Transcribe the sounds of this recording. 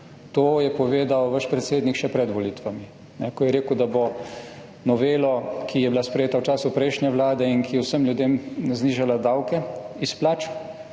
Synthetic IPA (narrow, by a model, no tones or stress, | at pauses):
t̪oːjɛpɔʋeːd̪awʋəʃpɾɛt̪seːd̪nikʃɛpɾɛd̪ʋɔlit̪ʋami | nɛkɔjɛɾeːkwd̪abo | nɔʋeːlɔkʰijɛbilaspɾɛjeːt̪awt͡ʃaːsupɾɛjʃnjɛʋlaːd̪ɛinkijɛwsəmljud̪eːmzniːʒalad̪awkɛisplaːt͡ʃ